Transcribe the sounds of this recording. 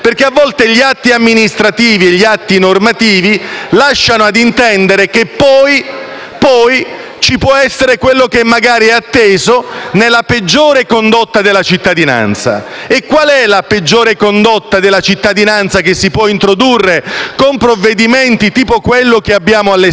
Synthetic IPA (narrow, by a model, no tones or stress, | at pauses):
perkːeavːɔlt̪eʎiat̪ːiamːinist̪ɾat̪iːvieʎːiat̪ːinormat̪iːvilaʃːanoad̪int̪ɛnd̪eɾekepːɔj | pɔj | t͡ʃipwɔɛsːeɾekwelːok̟emːaɡaːɾiɛat̪ːeːzonelːaped͡ʒːoːɾekond̪ot̪ːad̪elːat͡ʃit̪ːad̪ina̰nt̪sa̰ekːwalɛlaped͡ʒːoːɾekond̪ot̪ːad̪elːat͡ʃit̪ːad̪inant̪sakesːipwɔint̪ɾod̪urːekompɾovːed̪iment̪it̪iːpokwelːokeabːjaːmoalːe